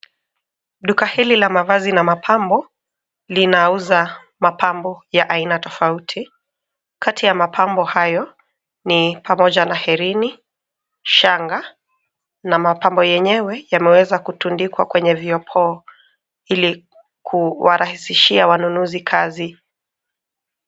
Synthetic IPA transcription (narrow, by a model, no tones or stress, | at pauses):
ɗukahililamavazinamapʰambɔ | linauza | mapambɔjaʔainatɔfautʰi | kʰatʰijamapʰambɔhajɔ | nipʰamɔʄanahɛɾini | ʃaŋɡa | namapambɔjɛɲɛwɛjamɛwɛzakutundikwakwɛɲɛviɔpʰɔː | ili | kʰuwaɾahisiʃiawanunuzikʰazi